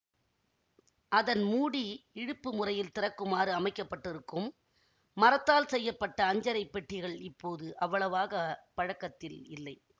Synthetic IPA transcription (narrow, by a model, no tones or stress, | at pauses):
ʔɐðɐnmuːɽiɪɽɯpːɯmʊrɐjɪlt̪ɪrɐkːɯmaːɾɯɐmɐɪkːɐpːɐʈːɪɾɯkːɯmː | ɐɾɐt̪ːaːlsɛjːɐpːɐʈːɐːɲd͡ʒɐɾɐɪpːɛʈːɪɣɐɭɪpːoːðɯʔɐʋːɐɭɐʋaːɣɐpɐɻɐkːɐt̪ːɪlɪlːɐɪ